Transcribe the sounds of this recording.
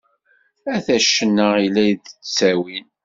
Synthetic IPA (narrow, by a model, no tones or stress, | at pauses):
æθæʃːənːəʁilːæjðət͡sːæwin